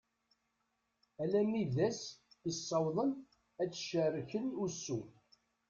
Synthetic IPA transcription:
ælæmːiðæsisːɑwðˤən | æt͡sːʃərːəçənusːu

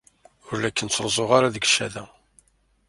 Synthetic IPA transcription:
ʊɾlækːənt͡sːɾˤzˤoʁaɾaðəɡʃæðæ

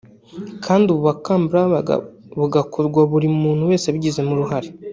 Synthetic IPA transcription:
kʰaːndiuβuβakambɾa̰ | βuɡakuɾɡwaβuɾimuːn̥huwe̞ːseβɟize̞muɾuɦaɾe

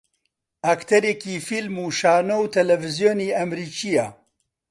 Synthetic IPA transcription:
akt̪ʰɐɾekiːfilmuːʃaːnowt̪ʰɛlɛvɪzjoːniːɐmɾiːt͡ʃija

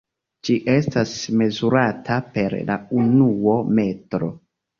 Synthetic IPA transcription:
d͡ʒiʔe̞stasme̞zuɾatʰape̞ɾla̰unuome̞tɾo̞̰

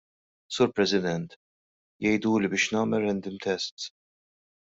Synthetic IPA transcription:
suːɾpɾɛsɪd̪ɛnt̪ | jɛjd̪uːlibɪːʃnɐːmɛrːɛnd̪ɪmt̪ɛst̪s

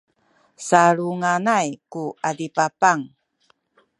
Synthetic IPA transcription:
saɾuŋanajkuadipapaŋ

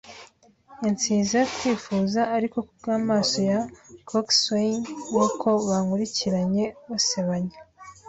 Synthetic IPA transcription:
jant͡siːzatwiːfuːzaːɾiko̞kubɡaːmaːso̞jakʰoksenwokʰo̞βaŋuɾiciɾaɲe̞βaseβaɲe

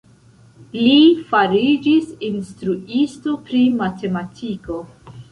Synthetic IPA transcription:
lifaɾid͡ʒisinstɾuʔisto̞pɾimate̞matʰiko̞

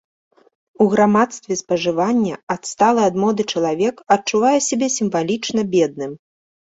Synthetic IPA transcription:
uɣɾamat̪st̪vʲɛspɐʐɨvanʲːɐɐt̪st̪alˠɨɐd̪mɔd̪ɨt͡ʂɐlˠavʲɛkɐtt͡ʂuvajɛsʲabʲɛsʲimvalʲit͡ʂnɐbʲɛd̪̚nɨm

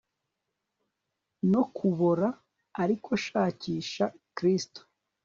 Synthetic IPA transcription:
no̞kʰuβoɾaː | ɾikʰo̞ʃaːciːʃakɾisto̥

